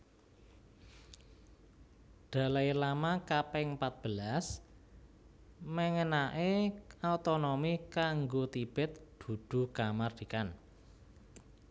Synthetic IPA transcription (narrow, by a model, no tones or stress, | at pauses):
d̪̥a̤lajlamakapɛŋpat̪̚b̥əlas | məŋənaʔeaut̪onɔmikaŋɡot̪ib̥ɛ̤t̪̚d̪̥ṳd̪̥ṳkamard̪̥ikan